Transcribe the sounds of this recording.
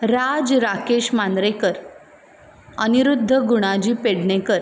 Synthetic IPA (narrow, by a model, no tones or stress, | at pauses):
ɾad͡zɾakeɕmand̪ɾekəɾ | əniɾud̪ʱːəɡuɽ̃ad͡ʑiːpeɽɳekəɾ